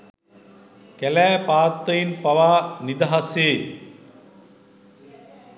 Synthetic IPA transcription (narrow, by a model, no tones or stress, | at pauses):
kɛlæːpaːt̪ːɐjinpɐʋaːnid̪ɐɦɐseː